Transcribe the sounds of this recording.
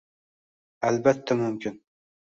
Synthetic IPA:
albat̪ʰːamʊmkʲʰɪn

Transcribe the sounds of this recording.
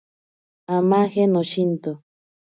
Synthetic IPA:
amãxenoʃint̪o

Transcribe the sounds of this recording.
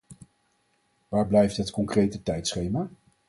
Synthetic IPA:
ʋaːɹblɛjftɦətkɔŋkrejtətɛjtsχejmaː

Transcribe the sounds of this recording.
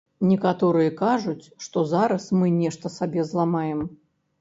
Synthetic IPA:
nʲɛkat̪ɔɾɨjɛkaʐut͡sʲʂt̪ɔzaɾɐsmɨnʲɛʂt̪ɐsabʲɛzlˠamajɛm

